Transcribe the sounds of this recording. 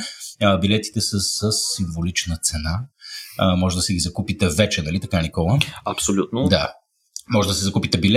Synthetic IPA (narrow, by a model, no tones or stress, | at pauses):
əbilɛt̪i̥t̪ɛsəssəsːiɱvolit͡ʃnət̪sɛna | mɔʒɛd̪ɐsɛɡʲizɐkupit̪ɛvɛt͡ʃɛnɐlit̪ɐkanikɔlˠəɐpsolʲut̪nod̪a | mɔʒɛd̪ɐsɛzɐkupit̪ɛbil